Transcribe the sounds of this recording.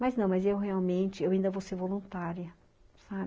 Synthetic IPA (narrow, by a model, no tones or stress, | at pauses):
mɐznɐ̃w̃mɐzewɦeawmẽnt͡ʃɪewaĩnd̪ɐvowseɾvolũnt̪aɾjɐ | sab